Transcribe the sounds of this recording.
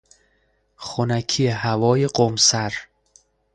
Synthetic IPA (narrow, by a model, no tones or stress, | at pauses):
xonækʰijehævɒːjeɢomsæɾ